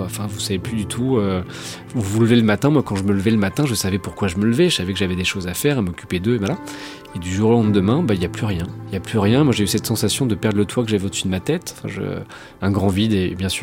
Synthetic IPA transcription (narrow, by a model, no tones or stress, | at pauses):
aɑ̃fɛ̃vusaveplyd̪yt̪ʰuø | uvuləveləmat̪ɛ̃mwakɑ̃ʒəmələvɛləmat̪ɛ̃ʒəsavɛpuʁkwaʒəmələvɛʒəsavɛkəʒavɛd̪eʃozafɛʁamɔkʲy̥ped̪øevwala | ed̪yʒuʁolɑ̃d̪əmɛ̃bailjaplyʁjɛ̃iljaplyʁjɛ̃mwaʒeysɛt̪sɑ̃sasjɔ̃d̪əpɛʁd̪ʁlət̪wakəʒavɛod̪əsyd̪əmat̪ɛt̪ɑ̥̃fɛ̃ʒə̰ | ɛ̃ɡʁɑ̃vid̪ebjɛ̃syː